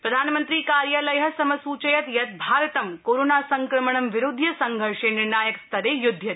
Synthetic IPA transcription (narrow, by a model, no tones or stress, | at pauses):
pɾɐd̪ʱaːnmə̃nt̪ɾiːkaːɾjalɐjɦɐ̆sɐmɐsuːt͡ʃɐjɐt̪jɐt̪̚bʱaːɾt̪ɐmkoːɾoːnaːsɐŋkɾɐməɳ̃ɐmʋɪɾʊd̪ʱjɐsɐŋɡʱɐɾʂenɪɾɳaːjɐkst̪ʰɐɾejʊd̪ʱjɐt̪